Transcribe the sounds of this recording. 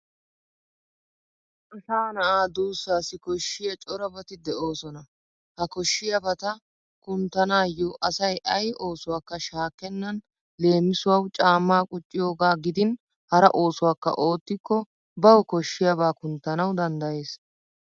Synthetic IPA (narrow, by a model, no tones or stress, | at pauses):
ʔɐsaːnɐʔaːd̪uːsːaːsɪkɔʃːɪjɐt͡ʃʼɔɾɐbɐt̪ɪd̪ɛʔo̞ːsɔnɐ | hɐkɔʃːɪjɐbɐt̪ɐ | kʊnt̪ːɐnaːjoʔɐsɐjʔɐjʔo̞ːsʊwaːkːɐʃaːkːɛnːɐn | le̞ːmːɪsʊwɐwt͡ʃʼaːmːaːkʼʊt͡ʃʼːɪjo̞ːɡaːɡɪd̪ɪn | hɐɾɐ̰ʔo̞ːsʊwaːkːɐ̰ʔo̞ːt̪ːɪkːɔ | bɐwɔkɔʃːɪjɐbaːkʊnt̪ːɐnɐwd̪ɐnd̪ɐje̞ːs